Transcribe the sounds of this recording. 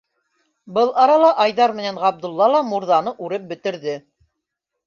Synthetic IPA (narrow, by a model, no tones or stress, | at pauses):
bɤlˠɑɾɑlˠɑʔɑjðɑɾmɘ̆nænʁɑb̚d̪ŭlˠːɑlˠɑmuɾðɑnɤʔʉɾɘp̚bɘ̆t̪ɘ̆ɾðɘ